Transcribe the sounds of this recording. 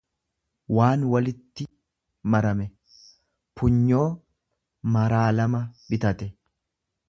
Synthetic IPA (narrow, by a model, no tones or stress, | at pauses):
waːnwɐlɪt̪ːɪ | mɐɾɐmɛ | pʰʊɲːo̞ː | mɐɾaːlɐmɐbɪt̪ɐt̪ɛ